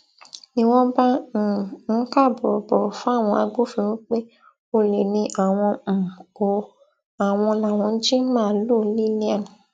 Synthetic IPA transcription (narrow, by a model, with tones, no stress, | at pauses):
nĩ˦w̃ɔ̃˦bã˦˨ | n̩˦ka˦˨bɔ˨bɔ˨fũ˦a˦˨w̃ɔ̃˧a˧ɡo˦fĩ˧w̃ĩ˦k͡pe˦ | o˧le˨nĩ˧ʔa˨w̃ɔ̃˧m̩˨ko˨ | a˨w̃ɔ̃˧la˨w̃ɔ̃˧n̩˦d͡ʒi˦mãː˦˨˦lu˦˨˦li˦nĩ˦ã˦˨